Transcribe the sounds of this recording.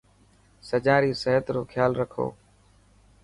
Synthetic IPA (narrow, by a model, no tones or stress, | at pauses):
səd͡ʒaːɾiːsəɦət̪ɾoːkʰjaːlɾəkʰo̰ː